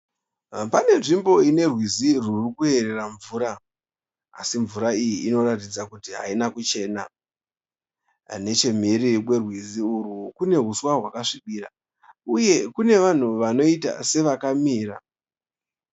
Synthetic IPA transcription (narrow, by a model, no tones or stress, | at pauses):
pane̞ʐimbo̞ine̞rwizirurikuɦe̞ɾe̞raɱvuːɾa | a̰siɱvuɾaijiːno̞ɾatid͡zakutiɦa̰inakut͡ʃe̞ːna̰ | ne̞t͡ʃe̞m̤irikwe̞rwiziuɾukune̞ɦuswaɦwakaʂiɓiɾa̰ | uje̞kune̞ʋan̤uʋano̞ita̰se̞ʋakamiːɾa̰